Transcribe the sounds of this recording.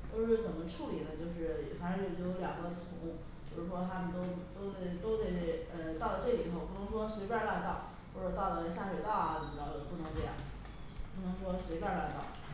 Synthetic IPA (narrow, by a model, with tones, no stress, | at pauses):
t͡ɕjo˥˧ʊʂɻ̩˥˩t͡sə˨˩nmə˦ʈ͡ʂʰu˥˩li˨˩nə˦t͡ɕjo˥˧ʊʂ̬ɻ̩˥˩ɛ˨˩fa˧˥n̩˥jo˧˩t͡ɕo˥˧jo˧˥ljɑ˨˩ŋɡə˧˥˩t̪ʰʊ˧˥ŋ | t͡ɕjo˥˧ʂɻ̩˥˩ʂwɔ˥t̪ʰa˥mə˨nt̪o˥ʊt̪o˥ʊt̪e˥˩ɪt̪o˥ʊt̪e˥˩ɪ˥˩ə˧t̪ɑ˥˩ʊlə˩ʈ͡ʂɤ˥˩li˨˩t̪ʰo˥˧ʊpu˥˩nɤ˧˥ŋʂwɔ˥ʂe˧˥pʲja˥˧la˥˧t̪ɑ˥˩ʊ | xwɔ˥˩ʈ͡ʂɤ˨˩t̪ɑ˥˩ʊlə˩˧˩ɕja˥˩ʂwe˨˩ɪt̪ɑ˥˩ʊɐ˨˩nə˨˩mə˧˥˩ɑ˥˩o˧˩pu˥˩nɤ˧˥ŋʈ͡ʂe˥˧jɑ̰˥˩ŋ̩˨ | pu˥˩nɤ˧˥ŋʂwɔ˥ʂe˧˥ɪpja˥˧la˥˧ɪt̪ɑ˥˩ʊ